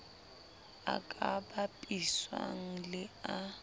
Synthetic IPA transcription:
a̰kʼabapʼiswa̰ŋ̩lɪa

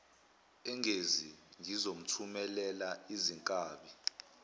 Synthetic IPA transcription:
ɛŋʱeziŋʱizom̩tʰumɛlɛlaiziŋkʼaːɓi

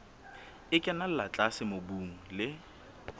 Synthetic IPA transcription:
ɪkʼɛnal̩lat͡ɬʼasɪmobuːŋ̩lɪ

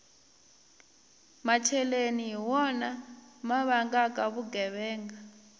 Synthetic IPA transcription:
mat͡ʃʰɛlenijiwɔnamaβaŋɡakʼaβuɡɛβɛːŋɡa

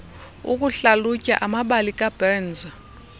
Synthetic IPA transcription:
ṵk̬ʼuɬalucʼa̰ʔamaɓalikʼab̥ɛnd͡zʱa

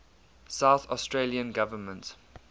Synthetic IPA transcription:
saʊθɔstɹeliə̃nɡavəmə̃nt

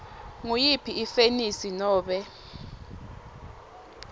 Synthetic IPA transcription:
ŋujipʰiifenisinɔːɓɛ

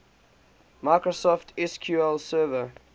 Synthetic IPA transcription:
maɪkɹosɔftʰɛskʰjuːɛlsɜːvə

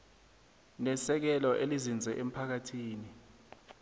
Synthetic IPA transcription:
nɛsɛk̬ɛlɔʔelizind͡zʱɛʔem̩pʰak̬atʰiːni

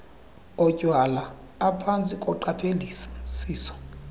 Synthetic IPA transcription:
ɔcʼwalaː | pʰant͡sʼikʼɔǃapʰelisḁsiːsɔ̥

